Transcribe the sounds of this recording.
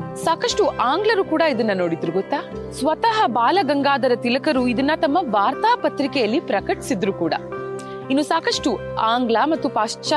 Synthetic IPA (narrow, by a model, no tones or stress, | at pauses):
saːkɐʂʈuʔaːŋɡlɐɾukuːɽɐid̪ɐnːɐnoːɽid̪ɾuɡɔt̪ːaː | sʋɐt̪ɐɦɐbaːlɐɡɐŋɡaːd̪ɐɾɐt̪ilɐkɐɾuid̪ɐnːɐt̪ɐmːɐʋaːɾt̪aːpɐt̪ɾikɛjɐlːipɾɐkɐʈi̥sid̪ɾukuːɽɐ̰ | inːusaːkɐʂʈu | aːŋɡlɐmɐt̪ːupaːʂt͡ʃɐ